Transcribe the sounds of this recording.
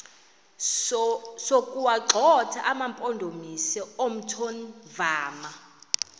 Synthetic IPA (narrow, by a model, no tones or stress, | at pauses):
sokʼuwaǃʱɔtʰaʔamampʼondʱomisɛom̩tʰonvaːma